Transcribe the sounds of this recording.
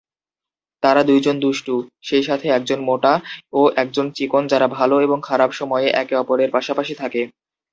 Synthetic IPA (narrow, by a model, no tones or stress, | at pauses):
t̪aɾad̪ujd͡ʑond̪uʃʈuʃejʃat̪ʰeɛk̚d͡ʑonmoʈaoʔɛk̚d͡ʑont͡ɕikond͡ʑaɾabʱaloeboŋkʰaɾabʃɔmɔeeʔɛkeɔpoɾeɾpaʃapaʃit̪ʰake